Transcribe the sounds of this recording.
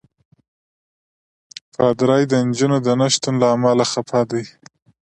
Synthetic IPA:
pɑd̪ɾɑjd̪ənd͡ʒunod̪ənaʃt̪unlaːmalaxapʰɑd̪aj

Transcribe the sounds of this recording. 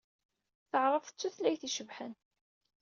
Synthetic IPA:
θəʕɾˤəfθə̥t͡sːuθlæjθiʃəvħən

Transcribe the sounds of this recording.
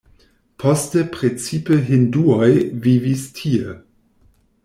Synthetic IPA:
pʰostepʁet͡sipəɦinduojvivistʰie

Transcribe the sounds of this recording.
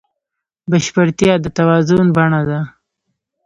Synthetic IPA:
baʃpəɾt̪jɑd̪ət̪awɑzʊnbaɳad̪a

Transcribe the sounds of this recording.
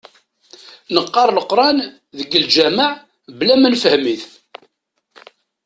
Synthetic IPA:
nəqːɑɾˤləqɾˤɑn | ðəɡːəld͡ʒæməʕ | blæmænfəhmiθ

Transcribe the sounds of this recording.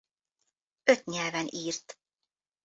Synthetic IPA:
øt̪ɲɛlvɛniːrt̪

